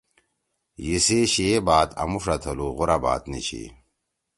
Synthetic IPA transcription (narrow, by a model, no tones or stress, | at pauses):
jiseɕebaːt̪ɐ̰mufɾɐt̪ʰɐluʁuɾaba̰ːt̪nḭɕʰḭ